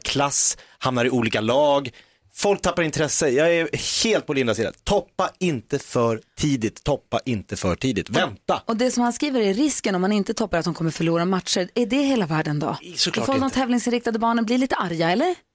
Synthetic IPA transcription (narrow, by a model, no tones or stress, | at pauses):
kʰlashamnaɾɪuːliːkalɑːɡ | fɔlk̚t̪ʰapːaɾɪnt̪ʰɾɛsːəjɑːɛheːlt̪pɔlɪnd̪asiːd̪a̰t̪ʰɔpːaɪnt̪əfœɾʈʰiːd̪ɪt̪ʰːɔpːa̰ʔɪnt̪əfœʈʰiːd̪ɪt̪vɛnt̪aɔd̪ɛsɔmhanskɾiːvəɾæːɪskənɔmhanɪnt̪ət̪ʰɔpːaɾat̪̚hʊmkɔmːəɾfœɭuːɾamat̪ʂəɾæɖɛɦeːlavæːɖənd̪ɔ̰fod̪ɔmt̪ʰɛːvlɪŋsɪnɾɪkt̪ad̪əbɑːɳənblɪɾliːt̪əʔaɾjaɛlːəɾ